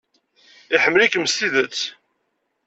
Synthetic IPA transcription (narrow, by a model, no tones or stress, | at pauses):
ɪħəmːlikəmst̪iðət͡sː